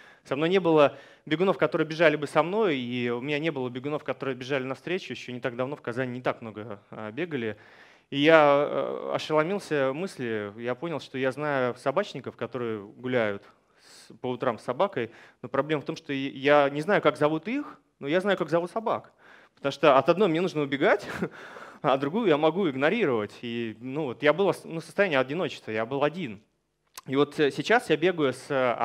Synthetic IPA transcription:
sɐmno̞jʲnʲe̞bɨlˠə | bʲɪɡʊno̞fkɐt̪o̞ɾɨjəbʲɪʐalʲɪbɨsɐmno̞jiʊmʲɪnʲanʲe̞bɨlˠəbʲɪɡʊno̞fkɐt̪o̞ɾɨjəbʲɪʐalʲɪnɐfst̪ɾʲet͡ɕʊjɪɕːonʲɪt̪aɡ̚d̪ɐvno̞fkɐzanʲɪnʲɪt̪akmno̞ɡəbʲe̞ɡəlʲɪ | ija̰ | ɐ̰ʂəlˠɐmʲilˠsʲəmɨsʲlʲɪjapo̞nʲɪlˠʂt̪o̞jaznajʊsɐbat͡ɕnʲɪkəfkɐt̪o̞ɾɨjəɡʊlʲæjʊt̪ | spəʊt̪ɾamsːɐbakəjnopɾɐblʲeməft̪omʂt̪ojanʲɪznajʊkakɡzɐvut̪ix | nojaznajʊkakzɐvut̪sɐba̰k | pə̥t̪ɐmuʂt̪oɐt̪ɐd̪nojmnʲe̞nuʐnəʊbʲɪɡatʲ | ad̪ɾʊɡujʊjamɐɡuɪɡnɐɾʲiɾəvətʲinuvot̪jabɨlˠənusəst̪ɐjænʲɪjəɐdʲɪno̞t͡ɕɪ̥st̪vəjabɨlˠɐdʲin | ivo̞t̪sʲɪt͡ɕasjabʲe̞ɡʊjʊs

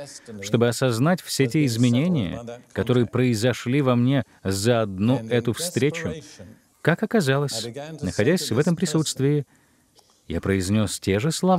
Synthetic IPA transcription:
ʂt̪o̞bɨɐsɐznatʲfsʲet̬ʲeɪzmʲɪnʲenʲɪjə̰kɐt̪o̞ɾɨjəpɾəɪzɐʂlʲivɐmnʲe̞ | zəɐd̪nuɛt̪ʊfst̪ɾʲet͡ɕʊ | kakɐkɐzalˠəsʲnəxɐdʲæsʲvɛt̪əmpɾʲɪsut̪st̪vʲɪɪ | ja̰pɾəɪzʲnʲo̞stʲe̞ʐɨslˠɐ

